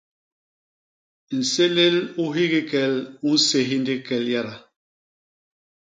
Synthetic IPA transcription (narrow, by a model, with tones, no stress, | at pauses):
n̩˨se˦le˦lu˦ɦi˦ɣi˦kɛ˦˨lu˦n̩˦se˦ɦi˦ndi˦kɛ˨lja˦ɾa˨